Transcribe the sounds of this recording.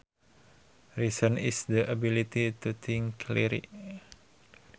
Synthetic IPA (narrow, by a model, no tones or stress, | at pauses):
ɾisənḭsdəʔabilit̪it̪ut̪ʰĩŋkʰlḭɾḭ